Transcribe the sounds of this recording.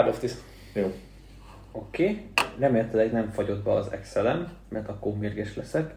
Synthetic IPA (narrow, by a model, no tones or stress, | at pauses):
ɾloft̪is | joː | o̞keːrɛmeːlɛt̪ilɛɡnɛɱfɒɟo̞d̪̚bɛɒzɛ̰ksɛlɛnːɛrt̪ɒkːoːmeːrɡɛʃlɛsɛk